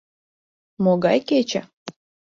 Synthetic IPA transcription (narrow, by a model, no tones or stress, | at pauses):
moɡɑjket͡ɕə̰